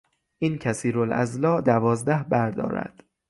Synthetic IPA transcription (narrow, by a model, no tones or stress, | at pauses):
ʔiːncʰæsiːɾolʔæ̰zlɒːʔd̪ævɒːzd̪æhbæɾd̪ɒ̰ːɾæ̰d̪̥